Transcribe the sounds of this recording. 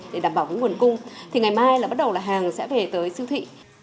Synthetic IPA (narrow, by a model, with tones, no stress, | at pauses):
ɗe˧˩ɗaː˨˧˩mɓaː˧˩wvə̰˧˦ŋwənkʊ˧ŋ͡mt̪ʰi˨˩ŋa˨˩jmaː˧jlaː˨˩ɓa˦˥t̚ɗə˨˩wlaː˨˩ɦaː˨˩ŋsɛ̰˧˥ve˨˩t̪əː˨˦jsɨ˧wt̪ʰḭ˧˨